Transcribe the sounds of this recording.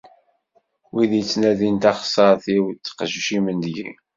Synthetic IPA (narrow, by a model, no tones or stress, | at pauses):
wiðjət͡sːnæðint̪ɑχsˤəɾˤθiwt͡sːə̥qʒuʃimənd̪ɡḭ